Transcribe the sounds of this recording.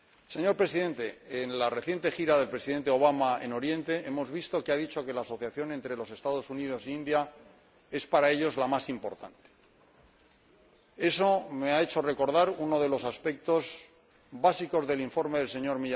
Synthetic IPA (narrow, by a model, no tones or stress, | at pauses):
se̞ɲo̞ɾpɾe̞siðe̞nt̪e̞ːnlare̞θje̞nt̪exiɾaðe̞lpɾe̞siðe̞nt̪eo̞β̞amae̞̰no̞ɾje̞nt̪e̞ʔe̞mo̞zβist̪o̞keaðit͡ʃo̞ke̞laːso̞θjaθjo̞ne̞nt̪ɾe̞lo̞se̞st̪aðo̞sunið̞o̞siind̪ja | e̞spaɾae̞ʎo̞zlamasimpo̞ɾt̪ant̪e̥ | e̞so̞me̞ae̞t͡ʃo̞re̞ko̞ɾðaɾuno̞ðe̞lo̞saspe̞k̚t̪o̞z | basiko̞zðe̞liɱfo̞ɾmeðe̞lse̞ɲo̞ɾmiʎ